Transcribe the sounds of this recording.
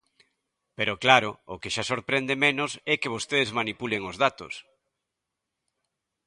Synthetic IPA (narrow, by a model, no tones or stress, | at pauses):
peɾoklaɾookeʃasoɾpɾend̪emenʊsɛkeβ̞ost̪eðezmanipuleŋozðat̪ʊ̰s